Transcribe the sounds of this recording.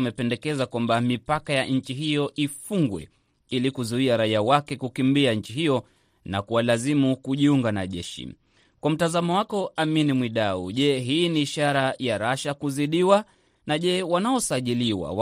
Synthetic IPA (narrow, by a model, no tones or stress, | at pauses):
mɛpɛndɛkɛzakwambamipakajaɲ̩t͡ʃiɦijɔʔifuŋɡwɛ̰ | ilikuzuiaɾaiawakɛkukimbiaɲ̩t͡ʃiɦijɔ | nakuwalazimukuʄiuŋɡanaʄɛʃḭ | kwam̩tazamɔwakɔaminimwiɗauʄɛɦiːniːʃaɾajaɾaʃakuziɗiwa | naʄɛwanaɔsaʄiliwa̰w